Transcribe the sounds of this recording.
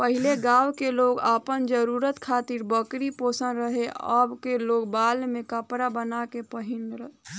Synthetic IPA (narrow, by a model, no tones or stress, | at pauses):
pəɦileɡaːwkeloːɡapənd͡ʒəɾuːɾət̪kʰaːt̪iɾbəkɾipoːsənɾəɦea̰bkeloːɡbaːlmẽkəpɾabənakepəɦɪnɾəɦ